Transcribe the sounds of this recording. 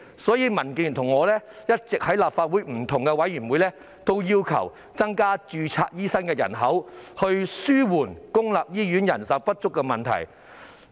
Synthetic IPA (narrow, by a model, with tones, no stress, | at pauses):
sɔː˨˥jiː˧mɐ˨˩nki˨˩ŋt̪ʰʊ˨˩ŋːɔː˨˧lɛː˥jɐ˥t̚t͡sɪ˨k̚hɐ˨˥jlaː˨p̚faː˧t̚wuː˨˥jm̩˨˩t̪ʰʊ˨˩ŋkɛ˧wɐ˨˥jyː˨˩nwuː˨˥jlɛː˥ | t̪o˥wjiː˥wkʰɐ̰˨˩w | t͡sɐ˥ŋkaː˥t͡ʃyː˧t͡sʰa̰ː˧t̚jiː˥sɐ˥nkɛː˧jɐ̰˨˩nɦɐ˨˥whɵ˧ɥsyː˥wuː˨˩nkʊ˥ŋlaː˨p̚jiː˥jy˨˥njɐ˨˩nsɐ˨˥wpɐ˥t̚t͡ʃʊ˥kːɛ˧mɐ˨nt̪ʰɐ̰˨˩j